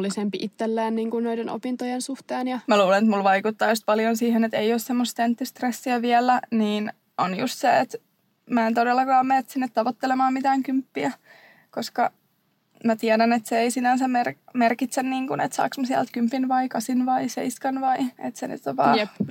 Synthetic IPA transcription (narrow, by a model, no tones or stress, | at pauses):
lːisempiʔit̪ːelːæːnniːŋkunnoideno̰pint̪ojensuht̪eːnjɑmæluːlenet̪mulʋɑikut̪ːɑːjust̪̚pɑljonsiːhenet̪eioːssemːost̪ent̪ːyst̪resːiæʋiælːˑæniːn | onjṵst̪seet̪ | mæːent̪odelːɑkɑːmmeːt̪sinːet̪t̪ːɑʋot̪ːelemɑːmmit̪æːŋkympːiæ | koskɑ | mæt̪iædænet̪seeisinænsæmermerkit̪senniːŋkunḛt̪sɑ̰ːksmɑsiæ̰lt̪kympːinʋɑikɑsinʋɑisḛiskɑnʋɑiḛt̪seny̰t̪ːoʋɑ̰ːjep